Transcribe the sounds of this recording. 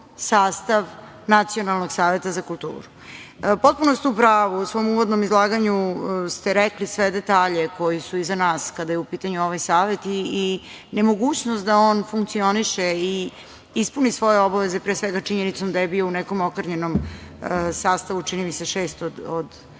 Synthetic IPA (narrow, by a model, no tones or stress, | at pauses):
saːst̪aʋ | nat̪sio̞nalˠnoɡsaːʋe̞t̪azakulˠt̪ṵːɾu | po̞t̪̚punost̪upɾaːʋusʋo̞muvod̪no̞mizlˠaːɡaɲust̪eɾɛklisʋed̪et̪aːʎeko̞jisuizanaːskad̪ajeupiːt̪aɲuoʋajsaːʋe̞t̪iː | ne̞mo̞ɡuːt͡ɕnost̪̚d̪aoːnfuŋkt̪sio̞niʃei | ispunisʋo̞jeo̞baʋezepɾeːsʋeɡat͡ʂiɲenit̪so̞md̪ajebiounɛko̞mokr̩ɲeno̞m | saːst̪aʋut͡ʂinimiseʃeːst̪od̪od̪